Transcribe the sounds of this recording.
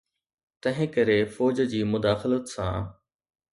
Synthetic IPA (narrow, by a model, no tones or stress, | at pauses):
t̪ɐ̃ɦɪ̃kɐɾefɔːd͡ʑd͡ʑiːmʊd̪aːxɪlət̪sã̰